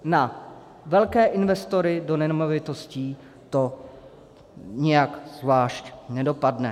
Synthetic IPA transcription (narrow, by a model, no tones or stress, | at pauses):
na | vɛlkɛːʔɪnvɛst̪o̞ɾɪdo̞nɛmovɪt̪o̞sciː | t̪o̞ | ɲɛjakzvlaːʃcnɛdo̞padnɛ